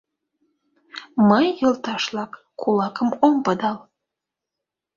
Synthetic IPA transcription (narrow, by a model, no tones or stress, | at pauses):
məjːəlt̪ɑʃlɑkːulɑkəmompəd̪ɑl